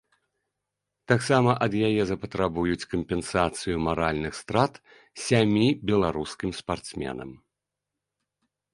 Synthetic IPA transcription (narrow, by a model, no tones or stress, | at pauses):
t̪aksamɐʔɐd̪jajɛzɐpɐt̪ɾabujut͡sʲkɐmpʲɛnsat̪sɨjumaɾalʲnɨxst̪ɾat̪ | sʲamʲibʲɛlˠaɾuskʲimspart̪smʲɛ̰nɐ̰m